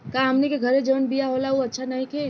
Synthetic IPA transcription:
kaɦəmnikeɡʱəɾẽd͡ʒəənbijaɦolauətːʃʰanaɦĩkʰe

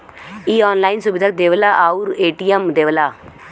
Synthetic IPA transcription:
iːɔːnlaːinsʊbɪd̪ʱaək̚d̪eːʋəlaːʔaːuɾeːʈiːɛmd̪eːʋəlaː

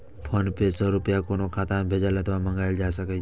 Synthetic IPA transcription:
pʰənpesəɾʊpjakonokʰaːt̪ambʱed͡ʒalət̪ʰʋamə̃ŋɡaːjld͡ʒasəkə

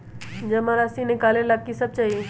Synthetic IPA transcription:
d͡ʒɐmaɾasinɪkaːlelakːisɐb̚t͡ʃaːɦe

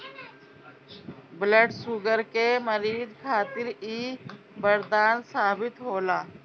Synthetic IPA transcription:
bləɖsuɡəɾkeməɾiːd̪kʰaːt̪ɪɾiː | bəɾd̪aːnsaːbɪt̪ɦoːlaː

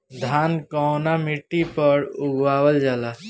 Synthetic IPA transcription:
d̪ʱaːnkɔːnamiʈːipəɾʊɡwaːwəld͡ʒaːlaː

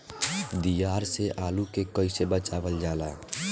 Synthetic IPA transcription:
d̪ijaɾseʔalukekəisebət͡ʃabəld͡ʒala

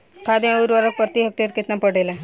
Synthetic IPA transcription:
kʰad̪ãoɾʋaɾək̚pəɾt̪iɦək̚t̪eɾkɪt̪napəɽelɛ

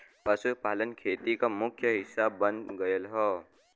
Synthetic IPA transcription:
pəsupaːlənkʰeːt̪ikamʊkʰjəɦɪsabːənɡəjəlɦɔː

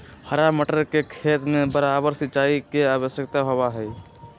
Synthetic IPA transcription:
həɾaməʈəɾkekʰeːt̪mẽbəɾabəɾsɪtːt͡ʃaːikeaːbəsjəkt̪aɦobaɦɛj

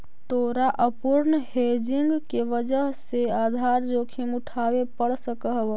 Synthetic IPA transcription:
t̪oːɾaʔəpʊɾnhed͡ʒɪŋɡkeʋəd͡ʒəɦseaːd̪ʱaːɾd͡ʒoːkʰimʊʈʰaːwepəɽsəkəɦb

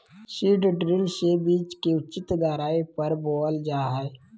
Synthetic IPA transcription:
siːɖɖɾɪlsebiːt͡ʃkeʊt͡ʃɪt̪ɡ̪aːɾaːipəɾboːld͡ʒaːɦɛ

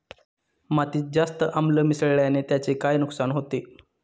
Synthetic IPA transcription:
mat̪iːd͡zast̪əʔamləmisəɭɭjanet̪jat͡ɕekajnuksanɦot̪e

